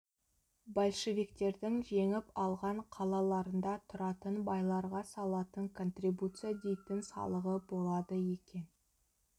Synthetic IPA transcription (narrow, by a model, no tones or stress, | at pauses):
bolʲˠʃevʲikt̪e̞ɾd̪ɪŋʒe̞ŋɪpɑlˠʁɑɴqʰɑlˠɑlˠɑɾənd̪ɑt̪ʰʊɾɑt̪ənbɑjlˠɑɾʁɑsɑlˠɑt̪əŋkʰo̞nt̪ribut̪sɨjad̪e̞jt̪ɪnsɑ̰lˠəʁəbo̞lˠɑd̪əje̞kʲe̞n